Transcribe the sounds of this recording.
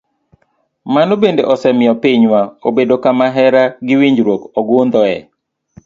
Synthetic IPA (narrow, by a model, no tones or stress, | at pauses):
manobendeʔɔsɛmɪɔpiɲwaobedokamaɦɛɾaɡɪwiɲd͡ʒɾwokɔɡʊnd̪ɔɛ̰